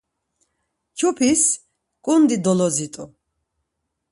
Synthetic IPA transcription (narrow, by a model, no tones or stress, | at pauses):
t͡ʃʰupʰis | kʼund̪id̪ɔlɔzit̪ʼu